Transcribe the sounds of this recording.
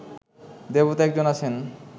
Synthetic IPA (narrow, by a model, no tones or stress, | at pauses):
d̪ebot̪ɛk̚d͡ʑonat͡ɕʰen